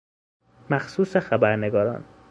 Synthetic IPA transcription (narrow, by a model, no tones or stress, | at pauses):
mæxsuːsexæbæɾneɡɒːɾɒ̰ːn